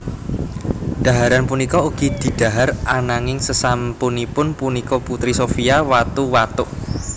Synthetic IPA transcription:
ɖ̪̥a̤ɦaɾanpunikɔuɡ̥id̪̥i̤ɖ̪̥a̤ɦarʔanaŋɪŋsəsampunipʊnpunikɔput̪ɾisofiawat̪uwat̪ʊʔ

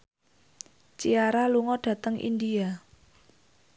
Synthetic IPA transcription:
t͡ʃiaɾaluŋɔɖ̥ä̤t̪əŋʔḭndia

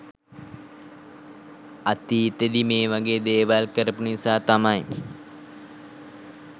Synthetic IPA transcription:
at̪iːt̪ed̪imeːʋaɡeːd̪eːʋalkəɾəpunisaːt̪amaj

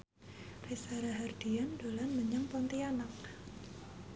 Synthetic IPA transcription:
resaɾaɦard̥iandolanməɲaŋpɔnt̪ianak̚

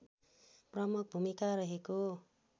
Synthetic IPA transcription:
prʌmuk̚bʱumikaɾʌɦeko

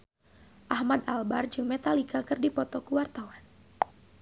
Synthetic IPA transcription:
ʔahmad̪albard͡ʒɨŋmet̪alikakɨrdipɔt̪ɔkuwart̪awan

